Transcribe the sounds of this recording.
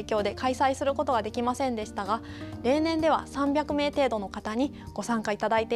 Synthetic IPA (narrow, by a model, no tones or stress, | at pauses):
kʲo̞ːd̪e̞kaisaisɨɾɯ̟ko̞t̪o̞ɡad̪e̞kʲimasẽ̞nd̪e̞ɕi̥t̪aɡa | ɾe̞ːnẽ̞nd̪e̞βasãmbʲakɯ̟me̞ːt̪e̞ːd̪o̞nokat̪aɲ̟i | ɡ̥o̞sãŋkait̪ad̪ait̪e